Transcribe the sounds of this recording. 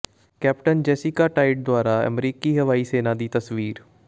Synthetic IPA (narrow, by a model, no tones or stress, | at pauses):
kɛːp̚ʈənd͡ʒɛːsɪkaːʈaːɪʈ̚d̪oʊaːɾaːə̰mɾiːkiːɦəʋaːiːseːnãːd̪iːt̪əsʋiːɾ